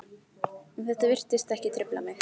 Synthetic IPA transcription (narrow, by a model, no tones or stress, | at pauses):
ɛnθɛht̪avɪr̥t̪ɪst̪ɛhcɪt̪ʰɾɪpla̰mɪ